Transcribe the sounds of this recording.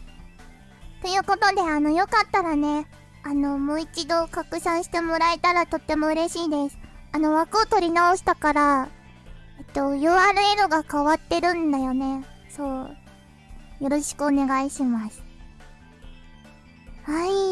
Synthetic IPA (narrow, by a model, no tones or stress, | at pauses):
t̪o̞jɯ̟ːko̞t̪o̞d̪e̞ano̞jo̞kat̪ːaɾane̞ | ano̞moːit͡ɕid̪o̞kakɯ̟ɕãɰ̃ɕi̥t̪e̞mo̞ɾaet̪aɾat̪o̞t̪ːe̞mo̞ɯ̟ɾe̞ɕiːd̪e̞sɨ̥ano̞βakɯ̟ot̪o̞ɾʲinao̞ɕi̥t̪akaɾa | et̪ːo̞joːaːɾɯ̟e̞ɾoɡakaβat̪ːe̞ɾɯ̟̃nd̪ajo̞ne̞so̞ː | jo̞ɾo̞ɕi̥kɯ̟one̞ɡaiɕimasɨ̥ | hai